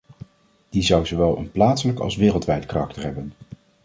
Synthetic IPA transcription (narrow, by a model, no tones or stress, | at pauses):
d̥izʌwzoʋɛlˠə̰nplaːtsələkɑ̰lˠsʋɪːrəlˠtʋɛjtkarɑk̚təɹɦɛbən